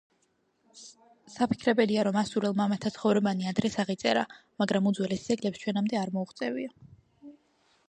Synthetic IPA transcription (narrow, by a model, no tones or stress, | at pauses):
sapʰi̥kʰɾɛbɛliaɾɔmasuɾɛlˠmamat̪ʰːat̪sʰχɔvɾɛbaniad̪ɾɛsaʁit̪sʼɛɾamaɡɾamud̪zwɛlɛsd̪zɛɡlɛpst͡ʃʰwɛnamd̪ɛaɾmɔuχt̪sʼɛvia